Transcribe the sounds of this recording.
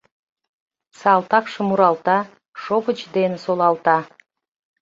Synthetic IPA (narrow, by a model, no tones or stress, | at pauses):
sɑlˠt̪ɑkʃɨmuɾɑlˠt̪ɑ | ʃopət͡ʃd̪ensolˠɑlˠt̪ɑ